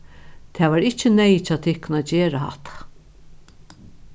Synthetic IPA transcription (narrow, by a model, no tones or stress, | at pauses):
t̪ʰɛːʋaːɾɪht͡ʃɪnɛjt͡ʃaːt̪ʰɪhknaːt̪d͡ʒeːɾaha̰ht̪ʰḁ